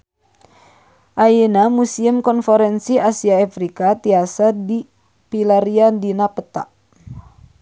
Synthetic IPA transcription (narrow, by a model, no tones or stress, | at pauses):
ʔajenamusiəmkɔnfɛɾɛnsiasiaafɾikat̪iasadi | pilaɾiandinapət̪a̰ʔ